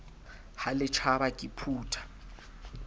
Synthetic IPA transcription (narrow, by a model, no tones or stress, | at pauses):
halɪt͡ʃʰabakʼipʰuːtʰḁ